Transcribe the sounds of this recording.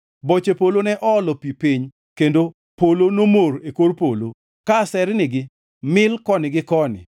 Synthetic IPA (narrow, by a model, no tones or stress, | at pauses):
bot͡ʃepolonɛʔɔːlɔpipiɲ | kendo | polonomoɾekorpolo̰ | kasɛɾnɪɡɪ | mɪlkɔnɪɡɪkɔnɪ̰